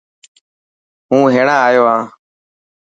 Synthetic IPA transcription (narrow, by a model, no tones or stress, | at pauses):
ɦũːɦeːɳaːaːjoːɦãː